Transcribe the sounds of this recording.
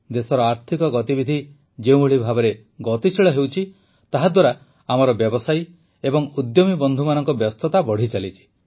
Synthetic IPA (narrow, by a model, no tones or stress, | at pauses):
d̪esɔɾɔaɾt̪ʰikɔɡɔt̪ibid̪ʱi | d͡ʒeũuɭibʱabɔɾe | ɡɔt̪isiɭɔɦewt͡ʃʰi | t̪aɦad̪waɾa | amɔɾɔbjɔbɔsaj | ebɔŋud̪jɔmibɔnd̪ʱumanɔŋkɔbjɔst̪ʰɔt̪abɔɽ̤it͡ʃalit͡ʃʰi̥